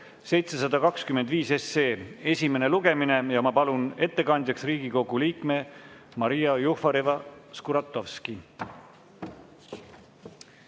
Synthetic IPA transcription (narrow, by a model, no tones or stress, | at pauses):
se̞jt̪se̞s̬ɑd̪ɑkɑkskymend̪viːse̞sːeːe̞sʲime̞ne̞luɡ̥e̞mine̞jɑmɑpɑlune̞t̪ːe̞kɑnʲd̪ʲjɑksriːɡ̥iko̞ɡ̥uliːkme̞ | mɑɾijɑjuhfɑɾevɑskuɾɑt̪ːˑovski